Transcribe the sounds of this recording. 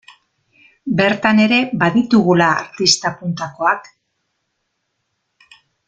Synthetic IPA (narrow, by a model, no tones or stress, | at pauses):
be̞ɾt̪ane̞ɾe̞baðit̪uɣula̰ːɾt̪ist̪apunt̪ako̞ak